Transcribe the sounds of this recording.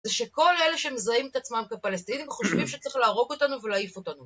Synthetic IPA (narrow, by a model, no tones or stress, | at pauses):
zeʃeko̞leleʃemezaimtat͡smamkepalest̪inimχoʃvimʃe̥t͡saʁiχlaːʁo̞ɡo̞tanuvelaːifo̞tanu